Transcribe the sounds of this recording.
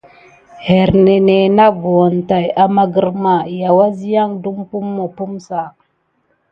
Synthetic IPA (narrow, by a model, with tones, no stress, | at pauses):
he˨ɾne˨ne˨na˦vo˨wo˨nta˨ja˨ma˦ɡə˦ɾma˨ja˨wa˦zi˦ja˦ŋdu˦mpu˦mːo˨pu˦msa˨